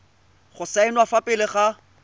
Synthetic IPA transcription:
χʊsaɪnwafapʼɪlɪχa

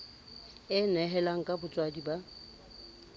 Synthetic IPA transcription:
ɪnɛɦɛlaŋ̩kʼabʊt͡sʼwadiba

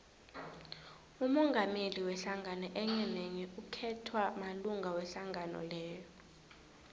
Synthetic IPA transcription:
umɔŋɡʱameliwɛɬaŋɡʱanɔʔɛɲɛneŋiʔukʰɛtʰwamaluŋʱawɛɬaŋɡanɔ̰lɛːjɔ

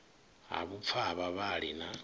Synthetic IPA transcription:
ɦa̰βup̪fʰaβaβaɺina

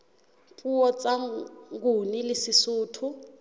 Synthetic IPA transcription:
pʼuɔt͡sʼaŋɡunilisisuːtʰu

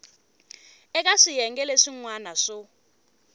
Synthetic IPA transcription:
ɛk̬ʼaʂijɛŋɡʼɛleʂiŋwanaʂɔ

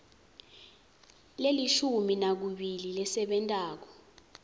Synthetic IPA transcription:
leliʃuminak̬uɓililɛsɛɓɛntʼaːk̬ɔ

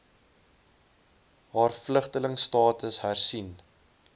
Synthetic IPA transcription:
ɦɑːrfləχtələŋstɑːtəsɦærsin

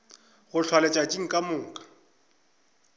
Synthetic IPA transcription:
ɣʊɬʰwalɛt͡ʃʼat͡ʃʼiŋ̩kʼamʊːŋ̩kʼḁ

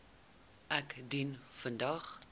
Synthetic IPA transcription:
ʔækdinfəndɐχ

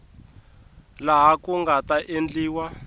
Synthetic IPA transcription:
laɦakuŋɡataʔend͡ɮiːwa

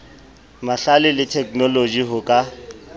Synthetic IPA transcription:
maɬalɪlɪtʰɛkʼnɔlod͡ʒiɦʊkʼa

